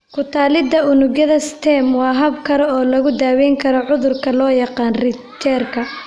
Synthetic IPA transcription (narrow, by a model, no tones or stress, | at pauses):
kʰʊt̪ʰaːlɪd̪ɐʊnʊɡjɐðɐst̪ʰɛːmwɑːɦɐb̚kʰɐɾɔɔːlɐɣʊd̪aːwɛːŋkʰɐɾɔʕʊðʊrkʰɐlɔːjɑqɑːnrɪt͡ʃʰɛrkʰɐ